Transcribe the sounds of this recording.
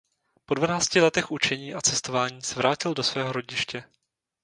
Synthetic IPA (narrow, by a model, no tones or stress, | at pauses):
po̞dvanaːt͡scɪlɛt̪ɛxʔut͡ʃɛɲiːʔat͡sɛst̪o̞vaːɲiːsɛvɾaːcɪldo̞svɛːɦo̞ɾo̞ɟɪʃcɛ